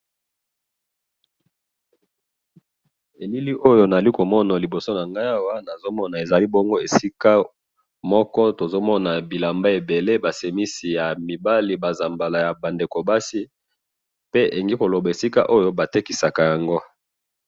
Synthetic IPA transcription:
e˨li˦li˦ʔo˦jo˦na˨li˦ko˨mɔ˦na˨li˨bo˨so˦na˨ŋɡa˦ja˦wa˦na˨zo˦mɔ˦na˨e˨za˨li˦bɔ˦ŋɡo˦e˨si˦ka˦ | mɔ˦kɔ˦to˨zo˦mɔ˦na˨bi˨la˨mba˦e˨be˨le˦ba˨se˨mi˦si˨ja˨mi˨ba˦li˨ba˨za˨mba˨la˨ja˨ba˨nde˨ko˨ba˦si˦ | pe˦ʔḛ˨ŋɡi˦ko˨lo˨ba˨e˨si˦ka̰˦ʔo˦jo˦ba˨te˦ki˨sa˨ka˨ja˨ŋɡo˦

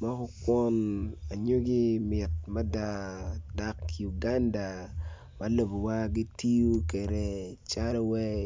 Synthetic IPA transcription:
ma˦kɔ˦kwɔ˦na˨ɲo˦ɡi˦mɪ˨t̚ma˦da˨da˨kju˨ɡa˦nda˨ | ma˦lo˨bo˨wa˦ɡi˦ti˦u˦ke˨ɾe˨t͡ʃa˦ɾɔ˦wɛ˦

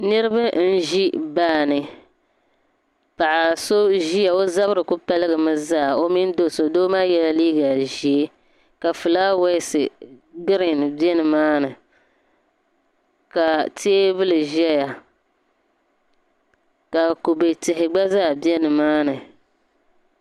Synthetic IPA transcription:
nɨ˦ɾɨ˦ba˦n̩˦ʒi˦baː˦˨nɨ˨ | pa˨ʔa˨so˦ʒi˦ja˨o˦za˦βɾɨ˨kʊ˦pa˦lɨ˦ɡɨ˨mɨ˦zaː˦˨o˦mi˦n˦do˦˨so˨do˦maː˦jɛ˦la˦liː˦ɡa˨ʒi˨e˦ | ka˨fɨ˨laː˦wɛ˦sɨ˨ɡɨ˦ɾɪ˨n˨bjɛ˦nɨ˨maː˦nɨ˨ | ka˨tʰi˦e˦bɨ˦lɨ˨ʒɛ˦ja˨ | ka˨ku˨be˨tɪ˨hɪ˨ɡ͡ba˦zaː˦˨bjɛ˦nɨ˨maː˦nɨ˨

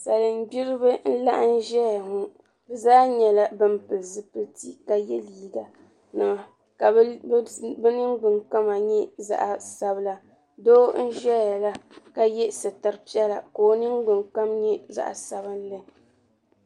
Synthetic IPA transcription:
sa˨lɨ˨m̩˦ɡ͡bi˦ɾɨ˦bɨ˦n̩˦la̰˦ʔa˦n̩˦ʒɛ˦ja˨ŋu˦ | bɨ˨zaː˦ɲɛ˨la˦bɨ˦mpɨ˨lzɨ˦pɨ˦ti˦ka˦jɛ˦liː˦ɡa˨ | nɨ˨ma˨ | ka˨ | bɨ˦nɨ˦ŋ˦ɡ͡bɨ˨ŋk͡pa˦ma˨ɲɛ˦za̰˦ʔa˨sa˨bɨ˦la˦ | doː˦n̩˦ʒɛ˦a˨la˦ka˦jɛ˦sɨ˨ta˨ɾɨ˦pi˦ɛ˦la˨ko˨o˦nɨ˦ŋɡ͡bɨ˨ŋk͡pa˦mɲɛ˦za̰˨ʔa̰˨sa˨bɨ˦n̩˦lɨ˦

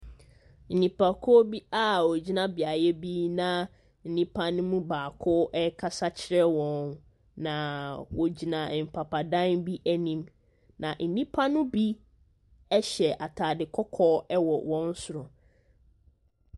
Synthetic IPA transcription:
n̩˨nĩ˨pʰa˨kʰɔ˦bi˦a˦wɔ˨d͡ʑi˦nã˦bɪ˨a˨jɛ˦biː˦nã˦ | n̩˨nĩ˦pʰa˦nʊ̃˦mũ˦baː˨kʰʊ˦ʔɛ˦kʰa˦sa˦t͡ɕʰɪ˦ɾɛ˦wɔ̃˨n | nã˨wɔ˨d͡ʑi˨nã˨m̩˨pʰa˨pʰa˨dã˦nbi˦ʔæ˦nĩ˨m | nã˨ʔn̩˨nĩ˦pʰa˦nʊ̃˦bi˦ | ɛ˦ɕɛ˨ʔa˨tʰaː˨dɪ˨kʰɔ˦kʰɔː˦ɛ˦wɔ˨wɔ̃˦n̩˦sʊ˨ɾɔ˨

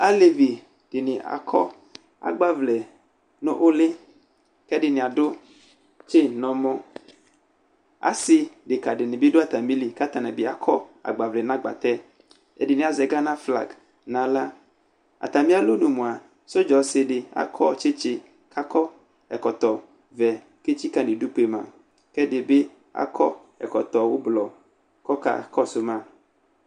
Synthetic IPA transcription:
a˦le˨vi˨ | d̥ɪ˨nɪ̃˨a̰˨kʰɔ̰˦ | a̰˨ɡ͡ba˦vlɛ˨ | nõ̰˦ʔo˦lɪ˦ | kɛ˦dɪ˨nɪ̃˨a˨ɖʊ˦ | t͡ʃe˦nɔ̃˨mõ˦ | a̰˦sɪ˦ɖɪ˨ka˨ɖɪ˨nɪ̃˨bi˦dʊ˦a˨t̪a˨mĩ˦li˨ka˦t̪a˨nã˨bi˨˦a̰˨kʰɔ˦a̰˨ɡ͡ba˨vlɛ˨nã˦ɡ͡ba̰˨t̪ɛ˦ | ḛ˦dɪ˨nĩ˨a˨zɛ˨ɡa˦nã˦fla̰˨ɡ | nã˨la˦ | a̰˨t̪a˨mĩ˦a˦lo˦nũ˨mũ˨a˨ | so˦d͡ʒɔ˨se˨ɖɪ˨a̰˨kʰɔ˦t͡ʃe˦t͡ʃɪ˦ | kʰa˦kɔ˦ | ɛ˨kɔ˨t̪ɔ˨ | vɛ˨ | ke˦t͡ʃi˦ka˨nẽ˨ɖu˦k͡pe˦mã̰˨ | kɛ˦de˨be˦ | a̰˦kʰɔ˦ | ɛ̰˨kɔ˨t̪ɔ˨wo˦blɔ˨ | kɔ˦ka̰˨kʰɔ˦so˦mã˦

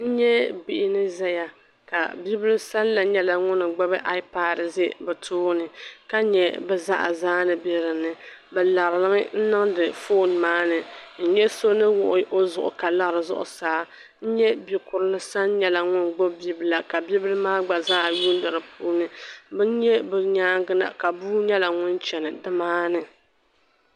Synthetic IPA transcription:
n̩˦ɲɛ˦bi˨ʔɪ˦nɨ˦zɛ˦ja˨ | ka̰˨bi˦bɪ˦lɨ˦sa˦lla˨ɲɛ˦la˨ŋʊ˦nɨ˨ɡ͡ba˦bɨ˦ʔa˦i˦pa˦˨dɨ˨ze˦bɛ˨tʰʊː˦nɨ˨ka˦ɲɛ˨bɛ˦za̰˦ʔa̰˨zaː˦nɨ˨bi˦ɾɨ˨nɨ˨bɛ˨la˨ɾlɨ˦mɨ˦n̩˦nɨ˦ŋdɨ˨fo˦˨nmaː˦nɨ˨n̩˦ɲɛ˦so˦nɨ˦wʊ˨ʔʊ˨ʔo˦zʊ˨ʔʊ̰˨ka˨la˦˨ɾɨ˨zʊ̰˦ʔʊ̰˨saː˨˦ | n̩˦ɲɛ˦bi˨kʊ˨ɾɨ˦lɨ˦sa˦n˦ɲɛ˦la˨ŋʊ˦nɡ͡bo˦bi˦bɨ˨la˨ka˨bi˦blɨ˦maː˦ɡ͡ba˨zaː˦˨ju˦n˦dɨ˨ɾɨ˨pʰuː˦nɨ˦bɨ˦n˦ɲɛ˦bɨ˨ɲaː˦ŋ˦ɡɨ˦na̰˨ka˨buː˦ɲɛ˦la˨ŋʊ˦nt͡ʃɛ˨nɨ˨dɨ˦maː˦nɨ˨

